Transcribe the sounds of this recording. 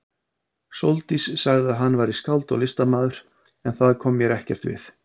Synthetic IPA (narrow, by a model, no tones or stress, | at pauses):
sowlt̪isːaɣðɪaðɦanːvaːjɾɪskaw̪t̪ɔ̰lɪst̪amaːðʏɾ̥ | ɛnθaðkʰɔːmjɛɾɛhcɛr̥t̪vɪ̰θ